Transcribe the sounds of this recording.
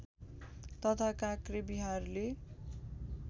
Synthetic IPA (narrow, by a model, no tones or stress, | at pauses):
t̪ʌt̪ʰakakrebiɦarle